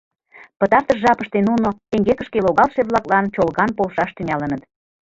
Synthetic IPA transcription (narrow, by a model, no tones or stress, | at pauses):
pət̪ɑrt̪əʃʒɑpəʃt̪enunot̪eŋɡekə̆ʃkeloɣɑlʃeβlɑklɑnt͡ɕolɣɑnpolʃɑʃt̪ynɑlə̆nət̪